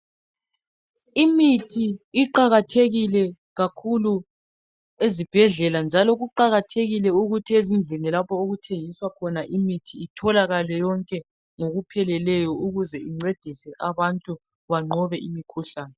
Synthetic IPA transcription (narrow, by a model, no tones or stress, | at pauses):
imitʰiːǃaɣatʰeɣilɛ | ɣakʰulu | ezib̥ʱɛɮɛland͡ʒʱalɔɣuǃaɣatʰeɣilɛuɣutʰiezind͡ɮʱenilapʰɔoɣutʰeŋiswakʰɔnaʔimitʰiːtʰɔlaɣalɛjɔŋkʼɛ | ŋoɣupʰɛlɛlɛjɔuɣuzɛiŋ͡ǀed̥ʱisɛʔaβantʼu | βaŋ͡ǃʱɔβɛʔimikʰuɬaːnɛ